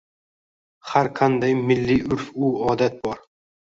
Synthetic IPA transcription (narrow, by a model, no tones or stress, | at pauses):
haɾqʰand̪ajmɪlːɪʊɾfʊɒd̪at̪̚bɒɾ